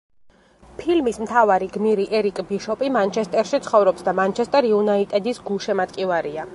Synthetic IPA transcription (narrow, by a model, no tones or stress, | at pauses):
pʰilmismt̪ʰavaɾiɡmiɾiʔɛɾikʼbiʃɔpʼimant͡ʃʰɛst̪ʼɛɾʃit̪sʰχɔvɾɔpsd̪amant͡ʃʰɛst̪ʼɛɾiunait̪ʼɛd̪isɡulˠʃɛmat̪kʼivaɾia